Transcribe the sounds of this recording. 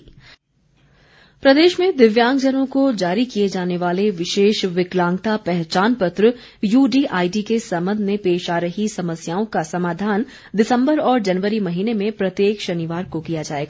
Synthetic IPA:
pɾɐd̪eːʃmẽd̪ɪʋjãːŋɡd͡ʒənõkod͡ʒaːɾikijed͡ʒaːneʋaːleʋɪʃeːʃʋɪklãːŋɡt̪apɛɦt͡ʃaːnpət̪ɾə | juːɖiʔaːiɖikesɐ̃mbə̃nd̪ʱmẽpeːʃaːɾɐɦisɐməsjaːõkasɐmaːd̪ʱaːn | d̪ɪsə̃mbəɾɔːɾd͡ʒɐnʋəɾimɐɦiːnemẽpɾɐt̪jeːkʃɐnɪʋaːɾkokijad͡ʒaːeːɡaː

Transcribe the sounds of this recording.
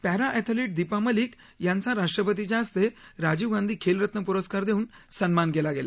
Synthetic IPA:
pɛɦɾaʔɛt̪ʰəliʈ̚d̪ipaməliːk | jant͡saɾaʂʈɾəpət̪̬id͡ʑaːst̪eɾad͡ʑiːʋɡãnd̪ʱiːkʰelɾət̪nəpuɾəskaɾd̪eũːnsənmanɡɛlaɡela

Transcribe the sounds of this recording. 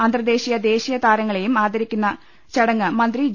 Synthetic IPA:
ɐnd̪rɐd̪e̞ːɕijɐd̪e̞ːɕijɐt̪aːɾɐŋːɐɭe̞jumaːd̪ɐɾikʲːunːɐ | t͡ɕɐɽɐŋːɨmɐnd̪ri

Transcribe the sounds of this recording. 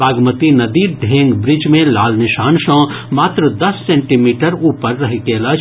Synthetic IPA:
aːɡmət̪inɐd̪iːɾd̪ʱeːŋɡbɾɪd͡ʒmẽlaːlnɪʃaːnʃə̃ | maːt̪ɾəd̪ɐsːẽɳʈimiːʈəɾuːpəɾːɐɦikeːlət͡ʃ

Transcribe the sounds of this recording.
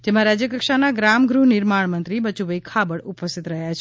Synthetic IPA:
d͡ʒemãɾad͡ʒjəkəkʃanaɡɾamɡɾuɦnɪɾmaɳmənt̪ɾibət͡ʃubəjkʰabəɽupəst̪it̪ɾəɦjat͡ʃʰ

